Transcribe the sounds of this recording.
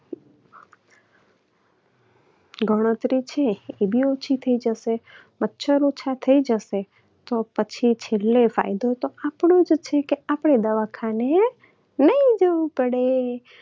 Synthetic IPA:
ɡʱəɽ̃ət̪ɾit͡ʃʰeebʱiot͡ʃʰit̪ʰəid͡ʒəʃe | mətːʃʰəɾot͡ʃʰat̪ʰəid͡ʒəʃe | t̪opət͡ʃʰit͡ʃʰelːefa̰jd̪ot̪oapɳ̃od͡ʒt͡ʃʰekeapɽ̃ed̪əʋakʰane | nəɦĩd͡ʒəʋupəɽe

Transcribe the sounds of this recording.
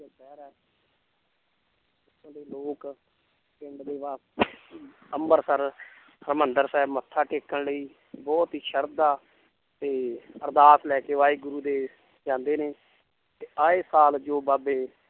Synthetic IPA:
abɛːɾɛː | ɪkʰːənləiːloːk | pɪɳɖd̪eːʋaːs | əmbəɾsəɾ | əɾmənd̪əɾsɛːbmət̪ʰːaːʈeːkːəɳləiː | bɔːt̪ɦiːʃəɾd̪aː | t̪eːəɾd̪aːslɛːkeːʋaːiːɡʊɾuːd̪eː | d͡ʒãːnd̪eːneː | t̪eːaːeːsaːld͡ʒoːbaːbeː

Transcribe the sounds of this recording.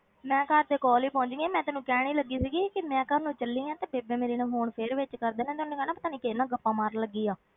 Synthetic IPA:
mɛ̃ːkəɾd̪eːkɔːliːpɔ̃ːɲd͡ʒŋɡeːmɛ̃ːt̪ɛːnũːkɛːɽ̃iːləɡːiːsiːɡiːkɪmɛ̃ːkəɾnũːt͡ʃəlːiːãːt̪eːbeːbẽːmeːɾeːnãːɦoːɳpʰeːɽʋɪt͡ʃkəɾd̪eːnɛ̃ːt̪ʊːneːkɛːnãːpət̪aːnĩːkeːnãːɡəpːãːmaːɾləɡːiːaː

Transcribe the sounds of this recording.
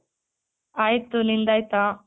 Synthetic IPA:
aːjt̪unind̪aːjt̪a

